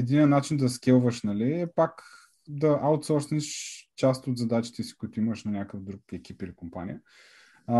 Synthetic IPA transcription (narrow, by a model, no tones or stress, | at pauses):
ɛd̪inɛnːat͡ʃind̪ɐskʲɛlˠvəʃnɐliɛpak | d̪ɐʔawt̪sɔɾsniʃt͡ʃast̪ot̪zɐd̪at͡ʃi̥t̪ɛsi̥kʊit̪ʊiməʃnɐnʲakəfd̪ɾukɛkʲipilikompa̰nḭə